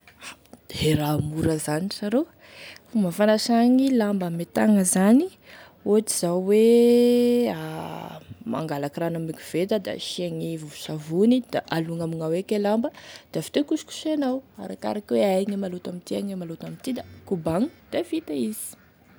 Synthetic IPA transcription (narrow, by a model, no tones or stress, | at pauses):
aheɾamuɾəzaniʈ͡ʂaɾo | fuməfanaʃaŋilambamet̪aŋəzani | oaʈ͡ʂiz̥awwe | a | ma̰ŋɡalakiranamikiv̥et̪əd̪a̰ʃiaŋivuvu̥savunid̪̥aʔaluŋamiŋawekelambəd̪̥avi̥t̪ekusu̥ku̥senawa̰ɾaka̰ɾakweajŋemalot̪amit̪iaŋemalot̪amint̪id̪akubaŋu̥d̪̥afit̪aiz̥i̥